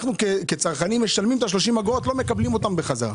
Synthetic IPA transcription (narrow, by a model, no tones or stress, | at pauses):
χnukeket͡saʁχanimːeʃalmimet̪aʃ̬lo̞ʃimhaɡoot̪lo̞me̞kablimo̞t̪ambeχaza̰